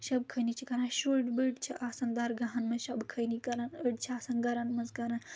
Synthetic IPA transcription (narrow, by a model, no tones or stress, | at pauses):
ʃɐbkʰɐnit͡ʃʰikɐɾãnʃuʈbəɖt͡ʃʰiʔaːsɐnd̪aːɾɡɐɦɐnmɐʃɐbkʰɐjnikɐɾanəɖt͡ʃʰiaːsɐnɡɐɾɐnmɐzɡɐɾan